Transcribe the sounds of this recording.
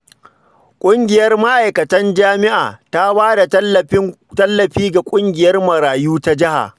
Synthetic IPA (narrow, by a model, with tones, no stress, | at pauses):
kʷʼʊ˦ŋɡʲɪ˨jɐ˦rma˦ʔa˨jkɐ˨tɐ˦nd͡ʒaː˦mɪ˦ʔa̰ː˨ta˦baː˦da˨ɐ˦˨ɪ˦ | tɐ˦lːɐ˨ɸiː˦ɡa˨kʷʼʊ˦ŋɡʲɪ˨jɐ˦rmɐ˨ɾaː˨juː˦ta˦d͡ʒɪ˦ha̰˨